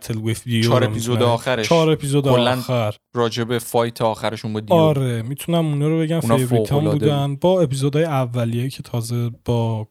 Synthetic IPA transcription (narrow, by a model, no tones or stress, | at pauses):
t̪ʰelwefd̪ijoɾemizod̪eɒːxæɾet͡ʃʰɒːɾe̞pʰizod̪eollːxæɾ | ɾɒːd͡ʒebefɒjt̪ʰeɒːxæɾeʃunbɔd̪ɒɾemit̪ʰunæmunɒːɾobeɟæmfebɾit̪ʰɒmbbuːdd̪ænbɒːe̞pʰizoːd̪ɒːjeævːælijejcʰet̪ʰɒːze̞b̥ɒː